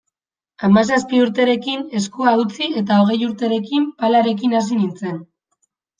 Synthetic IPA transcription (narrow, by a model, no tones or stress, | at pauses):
amas̬aspiuɾt̪e̞ɾe̞kine̞skuaut͡sie̞t̪ao̞ɣ̞e̞juɾt̪e̞ɾe̞kimpalaɾe̞kinas̬inint͡se̞n